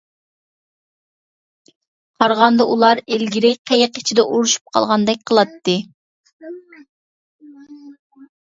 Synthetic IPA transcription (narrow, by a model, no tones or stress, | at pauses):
qʰɑɾʁɑnd̪ɑʔulˠɑɾelɡʲiɾɪqʰejɪqi̥t͡ʃʰid̪ɛʔuɾuʃu̥p̚qʰɑ̰lˠʁɑnd̪ɛk̚ʲqʰəlˠɑt̪ːɨ